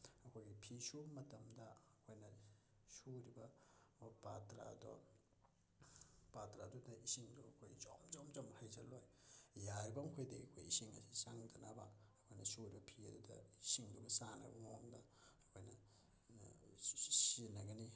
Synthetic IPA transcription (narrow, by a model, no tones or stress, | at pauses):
ɐkʰojɡipʰisumɐtɐmdɐːkʰojnɐ | suɾibɐ | patɾa̰dɔ̰ | patɾadudɐisiŋduɐkʰojzɔmzɔmzɔmhajzɐlojjaɾbamkʰojdeɡikʰojisiŋɐ̰sʰisaŋdɐnabaː | kʰojnɐsuɾibɐpʰiɐdudɐisiŋdubɐsanɐ̰bɐŋoŋdaː | kʰojnɐ | sinɐɡɐni